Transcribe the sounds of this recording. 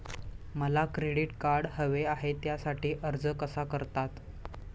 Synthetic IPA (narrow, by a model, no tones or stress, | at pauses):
məlakɾeɽiʈkaɾɽhəʋeaɦet̪jasaʈiːʔəɾd͡zəkəsakəɾt̪at̪